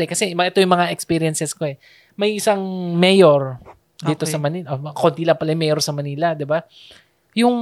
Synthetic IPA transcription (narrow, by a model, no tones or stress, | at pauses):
ɛkɐsɛʔɛt̪o̞jʊŋmɐŋaʔɛkspiːɾiɛnsɛsko̞ɛ | mɐjʔɪsaŋmɛjoɾ | d̪iːt̪osɐmɐniʔokod̪iːlapɐlɐjʊmɛjoɾsɐmɐniːlɐd̪ɪba | jʊŋ